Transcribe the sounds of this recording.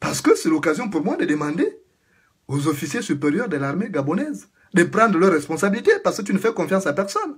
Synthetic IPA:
paʁsə̥kəsɛlokazjɔ̃puʁmwad̪əd̪əmɑ̃d̪e | ozofisjesypeʁjœʁd̪əlaʁmeɡabɔnɛz | d̪əpʁɑ̃d̪ʁəlœʁɛspɔ̃sabilit̪epaʁsə̥kət̪ynəfɛkɔ̃fjɑ̃sapɛʁsɔn

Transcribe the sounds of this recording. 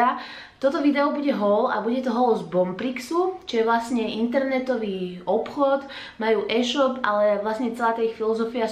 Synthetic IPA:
a | t̪ɔt̪ɔʋid̪ɛɔbuɟɛɦɔla̰buɟɛt̪ɔɦɔlzbɔmpɾiksut͡ʃijɛʋlasɲɛint̪ɛɾnɛt̪ɔʋiːɔpxɔd̪ | majuːʔɛʃɔpa̰lɛʋlasɲɛt͡sɛlaːt̪aixfilɔzɔfia

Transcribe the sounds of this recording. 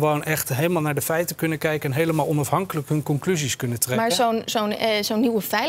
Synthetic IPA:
ʋownʔɛχtɦejlˠəmaːlˠnaːɹdəfɛjtəkɵnəkɛjkəɛnɦejləmaːlˠɔnɑfɦɑŋkələkɦɵnkɔŋklyziskɵnətrɛmaːɹzownzownzownːiwəfɛj

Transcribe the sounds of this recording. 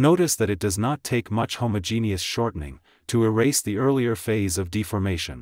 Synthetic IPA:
noʊɾɨsðɨɾɨt̚d̥ʌznətʰeɪkmʌt͡ʃhõʊ̃mɨd͡ʒĩniɨsʃɔɹʔn̩ɪ̰̃ŋ | tʰɨəɹeɪsðiɜ˞lˠiə˞feɪzʌvdifə˞meɪʃɨ̰̃n

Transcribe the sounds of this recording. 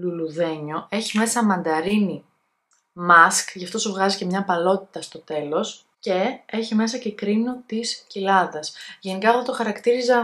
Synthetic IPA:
luluðe̞ɲo̞e̞çime̞sɐmɐnd̪ɐɾini | mɐskʝɐft̪o̞suvɣɐzice̞mɲɐpɐlo̞t̪i̥t̪ɐst̪o̞t̪e̞lo̞s | ce̞e̞çime̞s̬ɐcekɾino̞t̪iscilɐðɐsʝe̞nikɐːft̪ot̪oxɐɾɐkt̪iɾizɐ

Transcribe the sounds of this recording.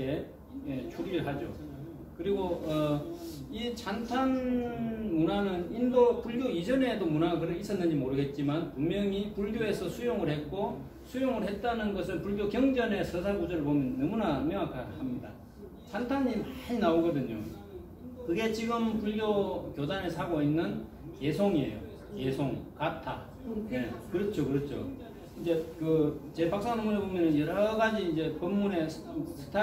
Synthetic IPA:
kʰe̞ | je̞t͡ɕʰuɾiɾɭɦad͡ʑo̰ | kɯɾiɡoʌ | it͡ɕʰantʰan | munanɯnindopuɭɡjoid͡ʑʌne̞domunakɯɾeis͈ʰʌnːɯɲd͡ʑimoɾɯɡe̞t̚t͡ɕ͈imanpuŋmjʌŋipuɭɡjoe̞sʰʌsʰujoŋɯɭhe̞t̚k͈o | sʰujoŋɯɭɦe̞t̚t͈anɯnɡʌsʰɯnpuɭɡjokjʌŋd͡ʑʌne̞sʰʌsʰaɡud͡ʑʌɾɯɭpomjʌnːʌmunamjʌŋakʰahamɲida̰ | sʰantʰaɲːimainaoɡʌdɯɲo | kɯɡe̞t͡ɕiɡɯmpuɭɡjokjod͡ʑanesʰaɡoinːɯn | ke̞sʰoŋiḛjo̰ | ke̞sʰoŋkatʰa̰ | ne̞kɯɾʌt͡ɕʰokɯɾʌt͡ɕʰo̰ | ind͡ʑe̞kɯt͡ɕe̞pak̚s͈aŋnɯmunɯɭbomjʌnɯnjʌɾʌʌɡad͡ʑiːnd͡ʑe̞pʌmːune̞sʰɯ̥tʰa

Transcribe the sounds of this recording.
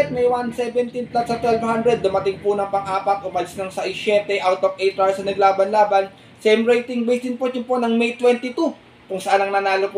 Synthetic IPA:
t̪̚mɛjwansɛbɛnt̪ɪnp̪lat̪sɐt̪wɛlvhand̪ɾɛd̪ːʊmɐt̪ɪŋpʊnɐŋpɐŋʔaːpɐt̪̚ʔomɐlɪsnɐŋsɐʔɪʃjɛːt̪ɛʔawt̪opʔejt̪ɾawsɐnɐɡlaːbɐnlaːbɐn | sɛmɹejt̪ɪŋbejsɪnpot͡ʃʊnponɐŋmɛjt̪wɛnt̪ɪt̪u | kʊŋsɐʔanɐŋnɐnaːlopʊ

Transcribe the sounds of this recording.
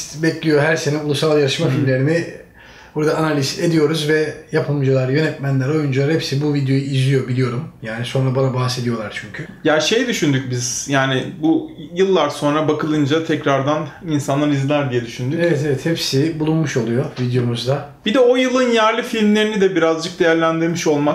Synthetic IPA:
t̪bɛclʲijo̞ɦæɾseninulˠusalˠjaɾɯʃmafilʲmlʲe̞ɾinɪ | buɾad̪aːnalʲise̞d̪ijo̞ɾuzvɛjapʰɯlˠmd͡ʒalˠaɾjø̞nɛt̪mænlʲæɾo̞jund͡ʒalˠaɾhɛpsibuvid̪jo̞juizijo̞bilʲijo̞ɾumjaːniso̞nɾabanabahse̞d̪ijo̞lˠaɾt͡ʃʰyɲcʰyjaʃe̞jd̪yʃynd̪yc̚biz̥jaːnɪbujɯlˠːaɾso̞nɾabakʰɯlˠɯnd͡ʒat̪ʰɛcɾaɾd̪aninsanːalʲizlʲæɾd̪ijɛd̪yʃynd̪yevɛt̪evɛt̪hɛpsibulˠunmuʃo̞lˠujo̞vid̪jo̞muzd̪a | bid̪ɛo̞jɯlˠɯnjæɾlʲifilʲmlʲe̞ɾinid̪ɛbiɾazd͡ʒɯk̚d̪e̞jæɾlʲænd̪iɾmiʃo̞lˠma

